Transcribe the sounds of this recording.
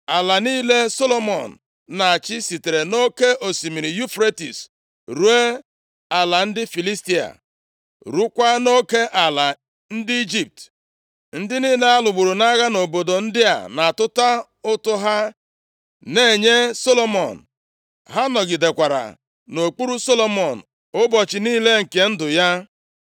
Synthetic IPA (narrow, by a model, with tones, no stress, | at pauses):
a˨la˨niː˦le˦so˦lo˦mɔ̰˨n̩˨ | na˨a˨t͡ʃɪ˦si˨te˨ɾe˨no˦ke˦ʔo˨si˨mi˨ɾi˨ju˦fɾe˦tḭ˨s | ɾu˦e˦ | a˨la˨n̩˦dɪ˦fi˨li˦sti˦a̰˨ | ɾu˦kʷa˦no˦ke˦ʔa˨la˨ | n̩˦dɪ˦i˦d͡ʒi˦˨p̚t | n̩˦dɪ˦niː˦le˦a˦lʊ˨ɡ͡bu˨ɾu˨na˦ɣa˦no˨bo˨do˨n̩˦dɪ˦a̰˨na˨tʊ˦ta˦ | ʊ˦tʊ˦ɦa˦ | ne˦˨ɲe˦so˦lo˦mɔ˨n̩˨ | ɦa˦nɔ˨ɡi˨de˨kʷa˨ɾa̰˨ | no˨k͡pu˦ɾu˦so˦lo˦mɔ˨n̩˨ | ʊ˦bɔ˨t͡ʃɪ˨niː˦le˦ŋ̩˨ke˨n̩˦dʊ˨ja˦